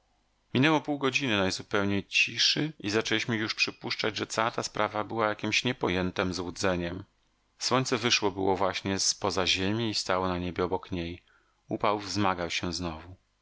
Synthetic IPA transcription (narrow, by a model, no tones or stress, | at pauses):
mʲinɛwɔpuwɡɔd͡ʑinɘnajzupɛwɲejt͡ɕiʂɘʔizat͡ʂɛlʲiɕmɘjuʂpʂɘpuʂt͡ʂad͡ʑʐɛt̪sawat̪aspɾʔavabɘwajakʲimɕɲɛpɔjɛnt̪ɛmzwud̪zɛɲɛm | swɔɲʲt̪sɛvɘʂwɔbɘwɔvwaɕɲɛspɔzaʑemʲiːst̪awɔnaɲebʲjɛɔbɔkɲej | upawvzmaɡawɕɛznɔvu